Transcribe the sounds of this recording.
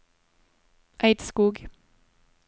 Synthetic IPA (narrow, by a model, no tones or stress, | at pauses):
ʔæɪd̪skuːɡ